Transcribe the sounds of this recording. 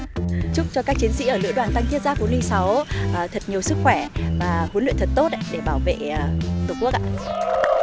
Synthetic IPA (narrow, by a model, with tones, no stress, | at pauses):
t͡ɕʊ˦˥k͡p̚t͡ɕɔ˧kaː˦˥k̚t͡ɕi˨˦ənsḭ˧˥ʔəː˧˩lɨ̰˧˥ɗwaː˨˩nt̪a˧ŋt̪i˦˥t̚za˦˥hu˨˦nli˧ŋsa˨˦wʔəː˨˩t̪ʰə˨˩t̚ɲi˨˩əwsɨ˦˥k̚xwɛ˧˩vaː˨˩hu˨˦nlḭ˧˨nt̪ʰə˨˩t̚t̪o˦˥t̚ɗe˧˩ɓaː˧˩wvḛ˧˨˩t̪ə˨˩ku˦˥ək̚ʔa̰ː˧